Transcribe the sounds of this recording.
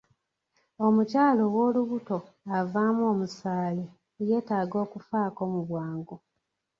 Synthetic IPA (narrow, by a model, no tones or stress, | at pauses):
o̞mucaːlo̞wo̞ːluβuto̞ | avaːmuo̞ːmusaːli | je̞ːtaːɡo̞ːkufaːko̞muβwaːŋɡu